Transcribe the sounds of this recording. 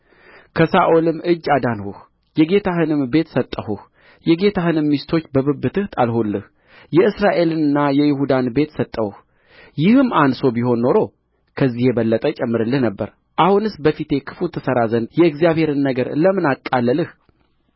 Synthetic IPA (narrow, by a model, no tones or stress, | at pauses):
kʰəsaʔolɨmʔɨd͡ʒːad̪anhuh | jɛɡe̞t̪ʰahɨnɨmbe̞t̪sət̪ʼːəhuh | jɛɡe̞t̪ʰahɨnɨmːist̪ʰo̞t͡ʃːbəβɨbːɨt̪ʰɨht̪ʼalɦulːɨh | jɛɨsɾaʔe̞lɨnɨnːajɛjɪɦud̪anbe̞t̪sət̪ʼːəwh | jɪhɨmːanso̞biho̞nːo̞ɾo̞ | kʰəzːiheβəlːət̪ʼət͡ʃʼɛmːɨɾɨlːɨhnəbːəɾ | ʔahunɨsbəfit̪ʰe̞kʰɨ̥fut̪ʰːɨsəɾazənjɛɨɡzijaβhe̞ɾɨnːəɡəɾləmɨnakʼːalːəlɨh